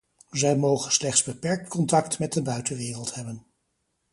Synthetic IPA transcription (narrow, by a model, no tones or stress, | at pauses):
zɛjmowχənslɛχtzbəpɛɹk̚tkɔntɑktmɛt̚dəbœɥtənʋɪːrəlˠthɛbən